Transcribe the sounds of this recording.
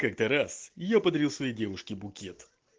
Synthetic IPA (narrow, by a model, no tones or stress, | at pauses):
kakt̪əɾasjɪjapəd̪ɐɾʲilˠsvɐjejdʲevʊʂkʲɪbʊkʲet̪